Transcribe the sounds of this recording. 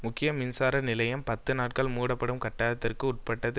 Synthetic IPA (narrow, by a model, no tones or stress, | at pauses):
mʊkːɪjɐmɪnsaːɾɐnɪlɐjɐmpɐt̪ːɯnaːʈ̚kɐɭmuːɽɐpːɐɽɯmkɐʈːaːlɐt̪ːɪrkɯʊʈ̚pɐʈːɐðɯ